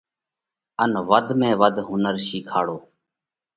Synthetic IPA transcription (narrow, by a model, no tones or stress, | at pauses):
ənʋəd̪ʱmẽːʋəd̪ɦʊnəɾʃiːkʰaːɽoː